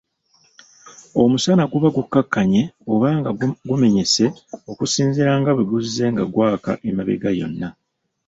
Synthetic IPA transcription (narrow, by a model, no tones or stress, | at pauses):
o̞musanaɡuβaɡukːakːaɲe̞o̞βaːŋɡaɡume̞ɲe̞se̞o̞kusiːnziɾaŋɡaβeɡuzːe̞ŋɡaɡwaːka̰ʔemaβḛɡajo̞̰nːa